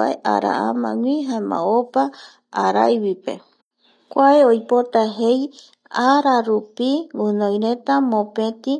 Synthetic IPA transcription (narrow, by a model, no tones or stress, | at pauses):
a̰eʔa̰ɾa̰a̰mã̰ŋʷĩɦãẽmã̰opa | aɾa̰jwipe̞̰ | kʷaeojpot̪aɦej | aɾaɾupiunojɾe̞t̪amõpẽt̪ĩ